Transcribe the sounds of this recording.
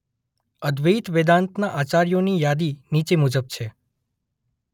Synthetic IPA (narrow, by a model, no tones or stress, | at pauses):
əd̪ʋəit̪ʋed̪ant̪naʔat͡ʃaɾijonijad̪init͡ʃemud͡ʒəb̚t͡ʃʰe